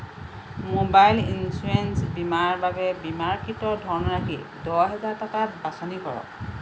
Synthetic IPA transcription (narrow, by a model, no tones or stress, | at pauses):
mobajlinsuensbimaɹbabɛbimaɹkʰitɔdʱɔɹnɔɹakʰi | dɔɦɛzaɹtɔkabasɔnikɔɹɔ̰k